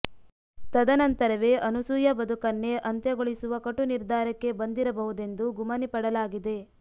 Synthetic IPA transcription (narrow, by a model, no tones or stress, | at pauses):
t̪ɐd̪ɐnɐnt̪ɐɾɐʋe̞ːʔɐnusujɐbɐd̪ʱukɐnːe̞ʔɐnt̪jeɐɡoɭisuʋɐkɐʈːuniɾd̪ʱaːɾɐkːe̞bɐnd̪iɾɐbɐɦud̪e̞nd̪uɡumɐnipɐɽɐlaːɡid̪e̞